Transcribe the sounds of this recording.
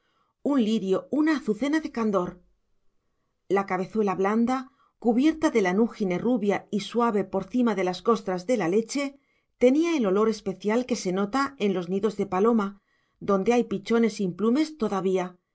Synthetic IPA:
unliɾjo̞unaːθuθe̞naðe̞kand̪o̞ɾ | lakaβe̞θwe̞laβland̪a | kuβje̞ɾt̪aðe̞lanuxine̞ruβjaiswaβ̞e̞po̞ɾθimaðe̞lasko̞st̪ɾazðe̞lale̞t͡ʃe̞ | t̪e̞niae̞lo̞lo̞ɾe̞spe̞θjalke̞se̞no̞t̪ae̞nlo̞zniðo̞zðe̞palo̞ma | ðo̞nd̪e̞ajpit͡ʃo̞ne̞simplume̞st̪o̞ðaβ̞ia

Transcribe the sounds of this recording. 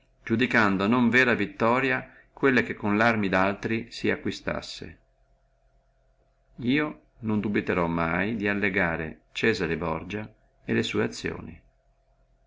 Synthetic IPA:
d͡ʒud̪ikand̪onoɱvɛːɾavit̪ːɔːɾja | kwelːak̟ekːonlarmid̪alt̪ɾisiakːwist̪a̰sːḛ | iːo | nond̪ubit̪eɾɔmːajd̪ialːeɡaːɾḛt͡ʃɛːzaɾebɔ̰rd͡ʒa | elesuːeat̪sːjo̰ːnḭ

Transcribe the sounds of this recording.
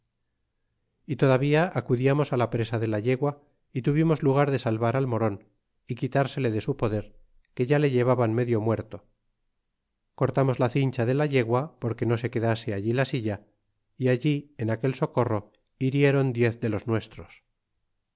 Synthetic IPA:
it̪o̞ðaβiaʔːkuðiamo̞salapɾe̞saðe̞laʎe̞ɣwa | it̪uβ̞imo̞zluɣ̞aɾðe̞salβaɾalmo̞ɾo̞n | ikit̪aɾse̞le̞ðe̞supo̞ðe̞ɾ | ke̞ʝale̞ʝe̞β̞aβanme̞ðjo̞mwe̞ɾt̪o | ko̞ɾt̪amo̞zlaθint͡ʃaðe̞laʎe̞ɣwapo̞ɾke̞no̞se̞ke̞ðase̞aʎilasiʎa | iaʎienake̞lso̞ko̞ro̞ | iɾje̞ɾo̞nd̪je̞θðe̞lo̞znwe̞st̪ɾo̞s

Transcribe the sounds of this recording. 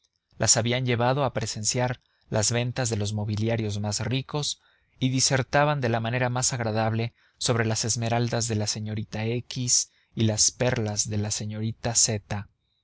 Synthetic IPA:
lʔasaβianʝe̞βaðo̞apɾe̞se̞nsjaɾ | lʔazβe̞nt̪azðe̞lo̞zmo̞βiljaɾjo̞zmazriko̞s | iðise̞ɾt̪aβand̪e̞lamãne̞ɾamasaɣɾað̞aβle̞ | so̞β̞ɾe̞lase̞zme̞ɾald̪azðe̞lase̞ɲo̞ɾit̪aekis | ilaspe̞ɾlazðe̞lase̞ɲo̞ɾit̪ase̞t̪a

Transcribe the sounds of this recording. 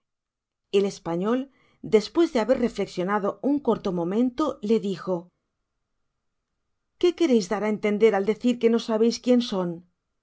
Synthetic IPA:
e̞le̞spaɲo̞l | d̪e̞spwe̞zðeaβe̞rre̞fle̞ksjo̞naðo̞uŋkoɾt̪o̞mõ̞mẽ̞nt̪o̞le̞ðixo̞ | ke̞ke̞ɾe̞jzðaɾaent̪e̞nd̪e̞ɾald̪e̞θiɾke̞no̞saβ̞e̞jskje̞nso̞n

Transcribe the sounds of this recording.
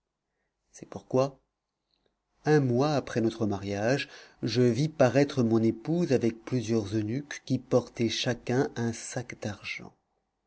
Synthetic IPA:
sɛpuʁkwa | ɛ̃mwaːpχɛnɔt̪χəmaʁjaʒʒəvipaʁɛt̪χəmɔ̃nepuzavɛk̚plyzjœʁzønykːʲipɔʁt̪ɛʃakɛ̃ʔɛ̃sakd̪aʁʒɑ̰̃

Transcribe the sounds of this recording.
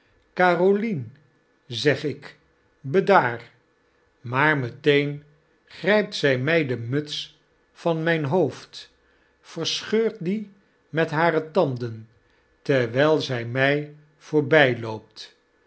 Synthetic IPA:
kaːrolin | zɛχɪk | bədaːr | maːɹmətejn | χrɛjp̚tsɛjmɛjdəmɵts | fɑnmɛjnɦowft | fərsχøːɹt̚di | mɛtɦaːɾətɑndən | təɹʋɛjlˠzɛjmɛj | v̥ʊːɹbɛjlowp̚t

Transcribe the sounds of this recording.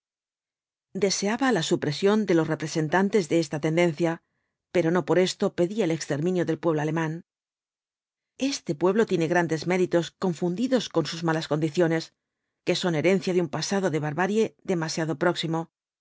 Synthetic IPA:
d̪e̞se̞aβalasupɾe̞sjo̞nd̪e̞lo̞sre̞pɾe̞se̞nt̪ant̪e̞zðe̞est̪at̪e̞nd̪e̞nθja | pe̞ɾo̞no̞po̞ɾe̞st̪o̞pe̞ðiaelekst̪e̞ɾmĩnjo̞ðe̞lpwe̞β̞lo̞ale̞mãn | e̞st̪e̞pwe̞β̞lo̞t̪je̞ne̞ɣɾand̪e̞zme̞ɾit̪o̞sko̞ɱfund̪iðo̞sko̞nsuzmalasko̞nd̪iθjo̞ne̞s | ke̞so̞ne̞ɾe̞nθjaðumpasaðoðe̞βaɾβaɾje̞ðe̞masjaðo̞pɾo̞ksimo̞

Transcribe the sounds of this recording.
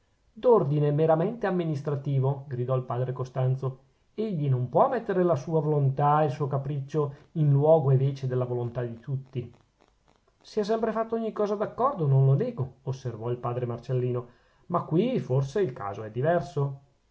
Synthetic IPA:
d̪ord̪inemeɾament̪eamːinist̪ɾat̪iːvoɡɾid̪ɔilpaːd̪ɾekost̪ant̪so | eʎːinompwɔmːɛt̪ːeɾelasuːavolont̪ailsuːokapɾit͡ʃːoinlwɔːɡoeveːt͡ʃed̪elːavolont̪ad̪it̪ut̪ːi | siɛs̬ɛmpɾefat̪ːooɲːikɔːzad̪akːɔrd̪ononloneːɡoːsːervɔilpaːd̪ɾemart͡ʃelːiːno | makːwiforseilka̰ːzoɛd̪ːivɛrso

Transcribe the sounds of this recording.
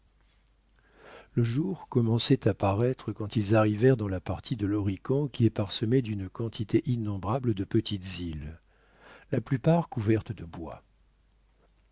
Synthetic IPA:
ləʒuʁkɔmɑ̃sɛt̪apaʁɛt̪χəkɑ̃t̪ilzaʁivɛʁd̪ɑ̃lapaʁt̪ʰid̪əlɔʁikɔ̃kʲiɛpaʁsəmed̪ynkɑ̃t̪ʰit̪ʰeʔinːɔ̃bʁabləd̪əpət̪it̪zil | laplypaʁkuvɛʁt̪d̪əbwa̰

